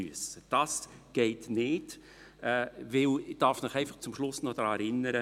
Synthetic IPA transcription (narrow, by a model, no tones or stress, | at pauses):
yəsəd̥ɑsɡ̥ɛɪtnɪːd̥ | ɛːvɪld̥ɑːɾfmɪχɛɪfɑχt͡sʊmʃlʊsnɔd̥ɾɑːɛɾɪnːəɾə